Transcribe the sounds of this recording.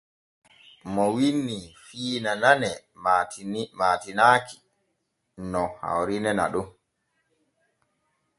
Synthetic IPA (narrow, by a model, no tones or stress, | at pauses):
mɔwinːifiːnananɛ | matmaːtinaːki̥ | nɔha̰wɾinɛna̰ɗum